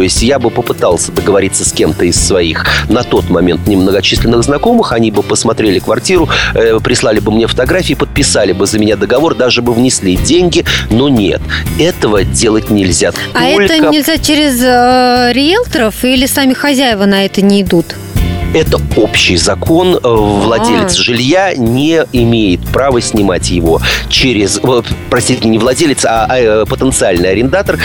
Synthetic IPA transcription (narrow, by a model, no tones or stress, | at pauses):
ojɪsʲtʲjabɨpəpɨt̪ɑlˠsʲəd̪əɡəvɐɾʲit̪sːəsʲkʲe̞mt̪əɪsːvɐixnɐt̪o̞t̪mɐmʲe̞nt̪̚nʲɪmnəɡɐt͡ɕisʲlʲɪnːɨɣznɐko̞mɨxɐnʲibɨpəsmɐt̪ɾʲelʲɪkvɐrtʲiɾʊpɾʲɪslˠalʲɪbɨmnʲefə̥t̪ɐɡɾafʲiːpət̪̚pʲɪsalʲɪbɨzəmʲɪnʲad̪əɡɐvo̞rd̪aʐɨbɨvnʲɪsʲlʲidʲenʲɡʲɪno̞nʲe̞̰t̪ɛt̪əvədʲe̞lˠət̚ʲnʲɪlʲzʲat̪aɛlʲt̪ənəɪlʲzʲat͡ɕeɾʲɪzəɾʲɪjelˠt̪əɾəfilʲɪsamʲɪxɐzʲæjɪvənɐɛt̪ənʲɪːd̪ut̪ | ɛt̪əo̞pɕːɪjzɐko̞nvlˠɐdʲelʲɪt̪sʐɨlʲjanʲɪɪmʲejɪt̪̚pɾavəsʲnʲɪma̰tʲjɪvo̞t͡ɕeɾʲɪzpɾɐsʲtʲitʲɪmʲnʲɪvlˠɐdʲelʲɪt̪sapət̪ənt̪sɨalʲnɨjɐɾʲɪnd̪at̪ər